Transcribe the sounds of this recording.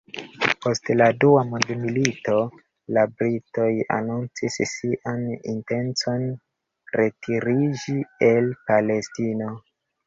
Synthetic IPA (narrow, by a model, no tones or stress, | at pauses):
po̞stladuamundmilito̞ | labɾito̞ja̰nunt͡sissiʔanḭnte̞nt͡so̞n | ɾe̞tʰiɾid͡ʒie̞lpale̞stino̞